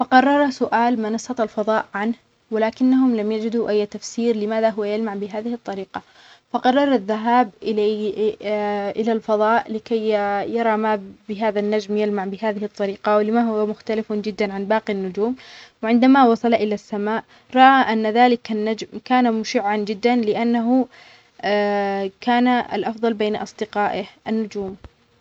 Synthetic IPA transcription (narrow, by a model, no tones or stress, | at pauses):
fɑqɑrˤːɑɾˤsʊʔaːlmɑnɑsˤːɑt̪ˤɑlfɑðˤɑːʔʕanh | wɪlaːkɪnːaɦʊmlamjad͡ʒɪd̪uʔajːt̪afsiːɾlɪmaːðaɦʊwːajalmaʕbɪɦaːðɪhɨt̪ˤːɑɾiːqɑ | fɑqɑrˤːɑɾˤaðːaɦaːbʔɪ | ʔɪlalfɑðˤɑːʔlɪkajjɑɾˤɑmabɪɦaːðanːad͡ʒmjalmaʕbɪɦaːðɪhɪt̪ˤːɑɾiːqawɪlɪmaɦʊwamʊxt̪alɪfd͡ʒɪd̪ːanʕanbɑːqinːʊd͡ʒuːmwʕɪnd̪amawɑsˤɑlʔɪlasːamaːʔ | ɾˤɑʔaʔanːaðaːlɪkanːad͡ʒmkaːnamʊʃɪʕːand͡ʒɪd̪ːanlɪʔanːaɦʊ | kaːnaa̰lʔɑfðˤɑlbeːnʔɑ̰sˤd̪ɪqaːʔɪhʔanːʊd͡ʒuːm